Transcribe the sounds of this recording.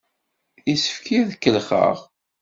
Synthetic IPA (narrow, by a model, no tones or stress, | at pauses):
isə̥fkiðəkːəlχə̰ʁ